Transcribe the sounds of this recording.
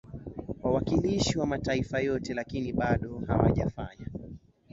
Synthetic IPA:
wawakiliʃiwamataifajɔtɛlakiniɓaɗɔha̰wa̰ʄa̰fa̰ɲa

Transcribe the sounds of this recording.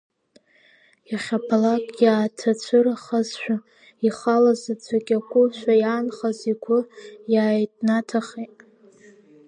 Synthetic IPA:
jaχʲapʰalakʼjaːtʰat͡ɕʷʰɨɾaχazʃʷᶣa | iχalazat͡ɕʷʰakʲʼakʷʼʊʃʷᶣajaːnχaziɡʷʊjaːjtʼnatʰaχejtʼ

